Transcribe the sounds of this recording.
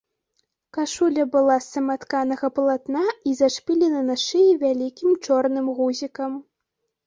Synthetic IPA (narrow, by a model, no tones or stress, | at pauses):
kaʂulʲɐbɨlˠasɐmat̪kanɐɣɐplˠat̪naizaʂpʲilʲinɐnaʂɨjivʲalʲikʲimt͡ʂɔrnɨmɣuzʲikɐm